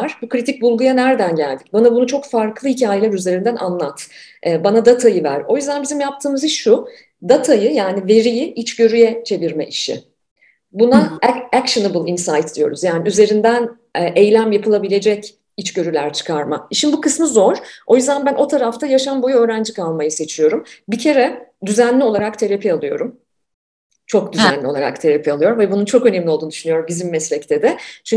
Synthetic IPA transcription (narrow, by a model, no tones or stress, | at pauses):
aɾ̥bukɾit̪ʰic̚bulˠɡujanæɾd̪ænɟælʲd̪ic̚banabunut͡ʃʰo̞kfaɾkʰlˠɯhicʰaːjelʲæɾyze̞ɾind̪ænʔa̰nlˠat̪ʔɛːbanad̪at̪ʰajɯvæ̰ɾo̞jyzd̪ænbizimjap̚t̪ʰɯːmɯziʃʃːu | d̪at̪ʰajɯjaːnive̞ɾijɪʔit͡ʃɟø̞ɾyjɛt͡ʃʰe̞viɾmɛ̰ʔiʃɪ̰ | bunaækʃɯnebɯlˠinsajt̪̚d̪ijo̞̰ɾuzjaːniyze̞ɾind̪æn | ʔejlʲæmjapʰɯlˠabilʲe̞d͡ʒɛc | it͡ʃɟø̞ɾylʲæɾt͡ʃʰɯ̥kʰaɾmaiʃinbukɯsmɯzo̞ɾ̥o̞jyzd̪ænbænʔo̞t̪ʰaɾaft̪ʰajaʃanbo̞juøːɾænd͡ʒikʰalˠmajɯse̞t͡ʃʰijo̞ɾumbicʰe̞ɾɛd̪yzænlʲio̞lˠaɾakt̪ʰe̞ɾapʰialˠɯjo̞̰ɾum | t͡ʃʰo̞k̚d̪yzænlʲi̞lˠaɾa̰kt̪ʰeɾapʰialˠɯjo̞ɾumvɛbununt͡ʃʰo̞kø̞nɛmlʲio̞lˠd̪uːnd̪yʃynyjo̞ɾumɟizimmɛslʲɛct̪ʰɛd̪ɛt͡ʃʰy